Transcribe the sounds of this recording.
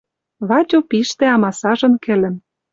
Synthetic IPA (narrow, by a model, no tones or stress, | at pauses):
βɑtʲopiʃt̪ĕɑmɑsɑʒɤ̆nkɘ̆lɘ̆m